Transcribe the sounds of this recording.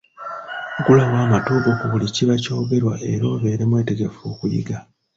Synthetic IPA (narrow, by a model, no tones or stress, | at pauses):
ɡulawaːmatoʔokuβuliciβaco̞ːɡe̞ɾwaʔe̞ɾo̞ːβe̞ːɾe̞mwe̞ːte̞ɡe̞foːkujḭɡa